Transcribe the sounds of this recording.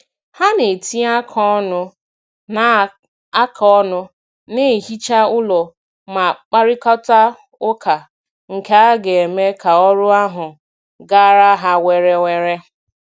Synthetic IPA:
ha˦ne˨ti˦a˦kʰɔ˦nʊ˦ | na˨ | a˦kʰɔ˦nʊ˦ | ne˦˨ɦi˦t͡ʃa˦ʊ˦lɔ˨ | ma˨k͡pa˦ɾɪ˦kɔ˦ta˦ | ʊ˦kʰa˨ | ŋ̩˨ke˦a˦ɡe˨e˨me˦ka˨ɔ˦ɾʊ˦a˦ɦʊ˨ | ɡa˦ɾa˦ɦa˦we˨ɾe˦we˨ɾe˦

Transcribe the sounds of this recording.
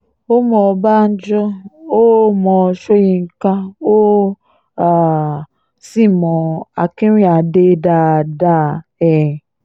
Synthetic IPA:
o˦mɔ̃˧ba˦˨n̩˦d͡ʒɔ˦o˦mɔ̃˧ʃo˦ji˧ŋ̩˦kã˦o˦ | a˨ | si˦˨mɔ̃˨a˨kĩ˦ɾĩ˦a˨de˦da˧˨da˦˨ɛ˨

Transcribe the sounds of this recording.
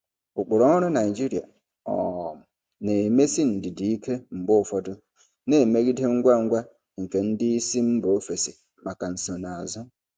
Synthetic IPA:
ʊ˨k͡pʊ˨ɾɔ˨˦ʊ˦ɾʊ˦na˨i˨d͡ʒi˦ɾi˨a̰˨ | ɔ̰˨m̩˨ | ne˨me˦si˦n̩˨dɪ˨di˨i˦kʰe˦m̩˨ɡ͡bʊ˦˨fɔ˦dʊ˦ | ne˨me˦ɣi˦de˦ŋ̩˦ɡʷa˦ŋ̩˦ɡʷa˦ | ŋ̩˨ke˨n̩˦dɪ˦i˦si˦m̩˦bo˨o˦fe˨si˨ | ma˨ka˨n̩˨so˨na˨a˨zʊ˦

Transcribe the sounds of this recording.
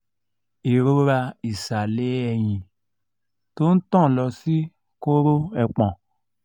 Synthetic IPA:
e˨ɾo˦ɾa˧i˨sa˨le˦ɛ˧jĩ˨ | to˦n̩˦tɔ̃˦˨lɔ˨si˦ | ko˦ɾo˦ɛ˨k͡pɔ̃˨

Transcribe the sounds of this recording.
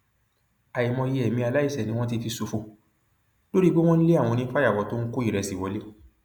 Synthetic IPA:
a˨i˨mɔ̃˧je˧ɛ˨mĩ˧a˧la˦i˦˨sɛ˨nĩ˧w̃ɔ̃˦t̬i˧fi˧so˧fo˧˨ | lo˦ɾi˦bo˦w̃ɔ̃˦n̩˦le˦a˦˨w̃ɔ̃˧nĩ˧˦fa˦ja˦˨wɔ˨˧˦to˦n̩˦ko˦i˦˨ɾɛ˧si˨wɔ˨˦le˦

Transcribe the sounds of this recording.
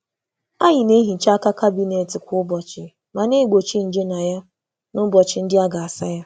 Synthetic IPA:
a˦ɲɪ˨ne˦ɦi˨t͡ʃa˦ka˦ka˦bi˦ne˨tɪ˨kʷʊ˦bɔ˨t͡ʃɪ˨ | ma˨ne˦˨ɡ͡bo˨t͡ʃi˦n̩˨d͡ʒe˦na˨ja˦ | nʊ˦bɔ˨t͡ʃɪ˨n̩˦dɪ˦a˦ɡa˨a˨sa˦ja˦

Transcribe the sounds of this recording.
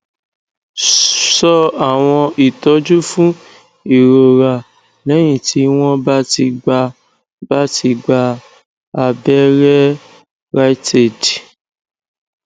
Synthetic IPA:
sɔ˧a˦˨w̃ɔ̃˧i˨tɔ˨˦d͡ʒu˦fũ˦ | i˨ɾo˨ɾa˨ | nɛ̃˨˦j̃ĩ˦˨tʰi˨˦w̃ɔ̃˦ba˦ti˧ɡ͡ba˧ | ba˦ti˧ɡ͡ba˧ | a˧bɛ˦ɾɛ˦ | ɾa˦i˦tʰe˨d

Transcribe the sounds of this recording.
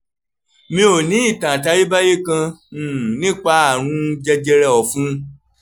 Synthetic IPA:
mĩ˧˦o˨nĩ˨˦i˦˨tã˨ta˧ji˦ba˦je˦kã˧˨ | nĩ˦k͡pa˧a˦˨ɾ̃ũ˧d͡ʒɛ˧d͡ʒɛ˧ɾɛ˧ɔ˨fũ˦

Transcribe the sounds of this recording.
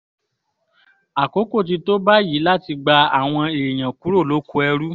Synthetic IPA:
a˨ko˨˦ko˦˨t̬i˧to˦ba˦ji˨˦la˦˨ti˧ɡ͡ba˧a˨w̃ɔ̃˧e˨j̃ã˨ku˨˦ɾo˦˨lo˨˦ku˧˦ɛ˧ɾu˦

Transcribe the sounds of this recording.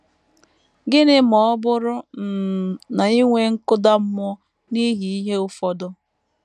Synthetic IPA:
ɡɪ˦nɪ˦mɔ˨˦bʊ˦ɾʊ˦n̩˨na˨i˦ŋʷe˦ŋ̩˦kʊ˦da˦m̩˦mɔ˦ | ni˦ɦi˨i˦ɦe˦ʊ˦fɔ˦dʊ˦

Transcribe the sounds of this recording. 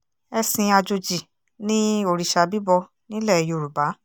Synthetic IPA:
ɛ˧sĩ˧a˧d͡ʒo˧d͡ʒi˨ | nĩ˦o˧˨ɾi˨ʃa˧bi˦bɔ˧ | nĩ˦lɛ˦˨jo˨ɾu˨ba˨˦

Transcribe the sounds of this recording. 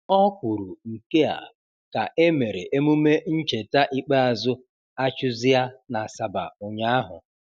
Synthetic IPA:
ɔ˦kʷu˨ɾu˨ŋ̩˨ke˦a̰˨ | ka˨ʔe˦me˨ɾe˨ʔe˦mu˦me˦n̩˦t͡ʃe˨ta˦ʔi˦k͡pa˦a˨zʊ˦ | a˦t͡ʃʊ˦zɪ˦a˦na˨sa˨ba̰˨ʊ˨ɲa˦a˦ɦʊ̰˨

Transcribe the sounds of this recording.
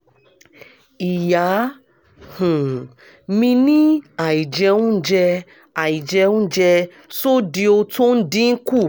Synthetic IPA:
i˨ja˨˦ | hũ˨ | mĩ˧nĩ˦a˨i˨d͡ʒɛ˧ũ˦d͡ʒɛ˧ | a˨i˨d͡ʒɛ˧ũ˦d͡ʒɛ˧ | so˦di˧o˧to˦n̩˦dĩ˦n̩˦ku˦˨

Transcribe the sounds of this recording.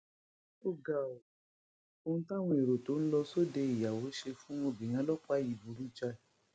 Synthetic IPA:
o˦˨ɡa˨o˨ | o˧ñ̩˦ta˦˨w̃ɔ̃˧e˨ɾo˨to˨˦ñ̩˦lɔ˧so˦de˧i˨ja˨wo˨˦ʃe˧fũ˦o˧bĩ˨j̃ã˧˦lɔ˦k͡pa˦˨ji˨bu˨ɾu˦t͡ʃa˧˨

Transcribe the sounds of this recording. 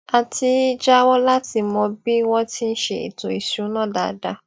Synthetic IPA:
a˨ti˦d͡ʒa˦wɔ˦la˦ti˨˦mɔ̃˧bi˦wɔ̃˦ti˦n̩˦ʃḛ˨ḭ˨tõ˨i˨su˨˦nɔ̃˦da̰˨˦da̰˨˦

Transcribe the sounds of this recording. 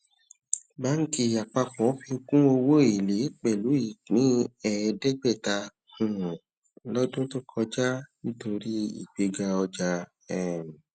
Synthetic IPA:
ba˨˦n̩˦ki˧a˨k͡pa˧k͡pɔ̃˨˦fi˧o˧kũ˦o˧wo˦i˨le˨˦k͡pɛ˨lu˨˦i˦˨nĩ˨˦ɛ˧dɛ˦ɡ͡bɛ˦˨ta˧ | hũ˨ | lɔ˦dũ˦to˦kʰɔ˧d͡ʒa˦nĩ˦to˧ɾi˦ḭ˨ɡ͡be˨˧ɡa˧ɔ˧d͡ʒa˧ | ɛ˨m˨

